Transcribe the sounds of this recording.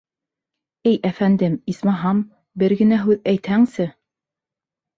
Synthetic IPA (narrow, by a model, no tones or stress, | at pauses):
ɘjʔæfænd̪ɘmismɑɦɑm | bɘɾɡɘ̆næɦʉðæjt̪hæŋsɘ